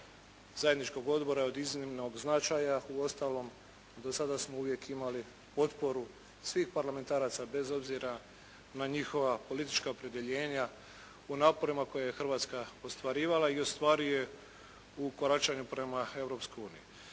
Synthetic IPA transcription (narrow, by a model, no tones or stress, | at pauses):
zaje̞d̪nit͡ʃko̞ɡo̞d̪bo̞ɾaod̪iznimno̞ɡznat͡ʃajauo̞st̪aːlo̞m | d̪o̞sad̪asmouʋje̞kʰimali | po̞t̪po̞ɾu | sʋiːxpaɾlame̞nt̪aːɾaːt̪sabe̞zo̞bziɾa | naɲixo̞ʋapo̞lit̪i̥t͡ʃkaopɾe̞d̪e̞ʎeːɲa | unaːpo̞ɾimako̞jajexr̩ʋaːt̪skaost̪ʋaɾiːʋalaio̞st̪ʋaːɾije̞ | uko̞ɾat͡ʃaɲupɾe̞mae̞vɾo̞pskojuːniju